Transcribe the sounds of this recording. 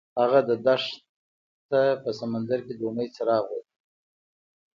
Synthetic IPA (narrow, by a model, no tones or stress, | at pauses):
haɣad̪əd̪aʂ | t̪apəsamand̪aɾked̪əunəjt͡saɾɑɣwod